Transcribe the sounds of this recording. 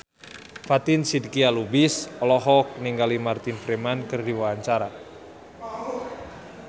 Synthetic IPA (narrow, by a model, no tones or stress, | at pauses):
fat̪ɪnsidkialubisɔlɔɦɔk̚niŋɡalimart̪infɾemankɨrdiwawaɲt͡ʃaɾa